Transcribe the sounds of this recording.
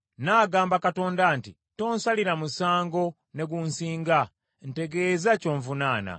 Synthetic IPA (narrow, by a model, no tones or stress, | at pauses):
naːɡaːmbakato̞ːndanti | to̞ːnsaliɾamusaːŋɡo̞ | ne̞ɡunsiːŋɡa | n̩te̞ɡe̞ːzaco̞ːɱvunaːna̰